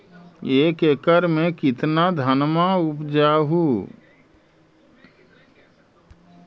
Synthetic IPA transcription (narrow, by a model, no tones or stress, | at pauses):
eːkekəɾmẽkɪt̪nad̪ʱənmaʊpd͡ʒaɦuː